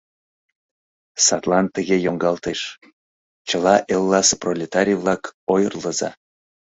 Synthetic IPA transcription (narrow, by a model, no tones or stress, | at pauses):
sɑt̪lˠɑnt̪əɣejoŋɡɑlt̪eʃ | t͡ɕə̆lɑʔelˠːɑseprolʲet̪ɑɾʲijvlˠɑkojərləzɑ̰